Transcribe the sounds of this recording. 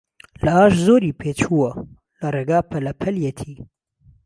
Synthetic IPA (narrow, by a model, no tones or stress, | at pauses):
lɐaːʃzoːɾiːpʰet͡ʃʰuwɐ | lɐɾeɡaːpʰɐlɐpʰɐljɛt̪ʰiː